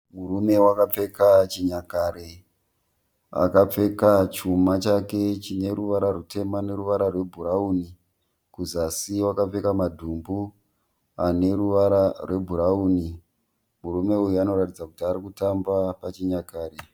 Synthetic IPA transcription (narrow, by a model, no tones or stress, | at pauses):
murume̞wakap͡fe̞kat͡ʃiɲakaːɾe | a̰kap͡fe̞kat͡ʃumat͡ʃake̞t͡ʃine̞ɾuʋaɾarute̞mane̞ɾuʋaɾarwe̞bʱuɾauni | kuzasiwakap͡fe̞kamadʱumbu | ane̞ɾuʋaɾarwe̞bʱuɾauni | murume̞ujuano̞ɾatid͡zakutiaɾikutambapat͡ʃiɲakaːɾe